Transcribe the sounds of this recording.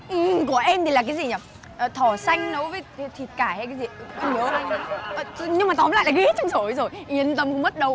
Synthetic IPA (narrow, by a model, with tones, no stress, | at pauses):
ʔɨ˨˩ku˧˩əʔɛ˧mt̪i˨˩laː˨˩kaː˨˦zi˨˩ɲaː˨˩ | ʔəː˨˩t̪ʰɔ˧˩sa˧jŋ̟nə˨˦wvəː˨˦jt̪ʰi˨˩t̚kaː˧˩ha˧jkaː˨˦jzi˨˩˨ə˧˩nəː˨˦ə˨˩˧ɲɨ˧ŋmaː˨˩t̪ɔ˨˦mla̰ː˧˨jlaː˨˩ɣi˧˦˥t̚t͡ɕɔ˧wŋ͡mso˧˩˦zo˨˩jʔi˨˩˦ən˧t̪̬ə˧˦mkṵ˧˥ŋ͡mmə˦˥t̚ɗə˧w